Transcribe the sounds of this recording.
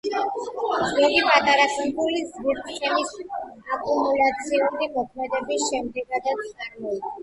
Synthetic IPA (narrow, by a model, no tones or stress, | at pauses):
zɔɡipʼat̪ʼaɾakʰʼɛbulizɡiɾt̪ʼχʼɛlisakʼumulat̪sʰiuɾimɔkʰmɛd̪ɛbisʃɛmd̪ɛɡad̪at̪sʰʼaɾmɔi